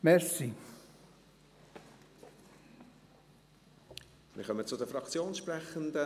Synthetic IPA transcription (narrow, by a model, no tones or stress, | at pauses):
mɛɾsi | mɪ̰χœmət͡sʊdəfɾɑkt͡sjoːnsʃprɛχənd̪ə